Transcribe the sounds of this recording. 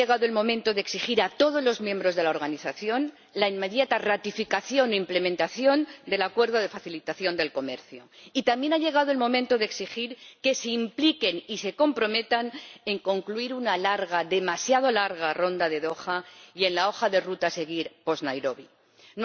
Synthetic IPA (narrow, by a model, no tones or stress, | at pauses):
eɣaðoe̞lmõ̞mẽ̞nt̪o̞ðeksixiɾat̪o̞ð̞o̞zlo̞zmjẽ̞mbɾo̞zðe̞lao̞ɾɣ̞aniθaθjo̞n | laimːe̞ðjat̪arat̪ifikaθjo̞noimple̞mẽnt̪aθjo̞nd̪e̞lakwe̞ɾð̞oðe̞faθilit̪aθjo̞nd̪e̞lko̞me̞ɾθjoit̪ambje̞naʎe̞ɣ̞aðo̞e̞lmõ̞mẽnt̪o̞ð̞eksixiɾke̞seimplike̞nise̞ko̞mpɾo̞me̞t̪ane̞ŋko̞ŋkluiɾunalaɾɣaðe̞masjað̞o̞laɾɣaro̞nd̪aðe̞ðo̞xaje̞nlao̞xaðe̞rut̪ase̞ɣ̞iɾpo̞znajɾo̞βi | n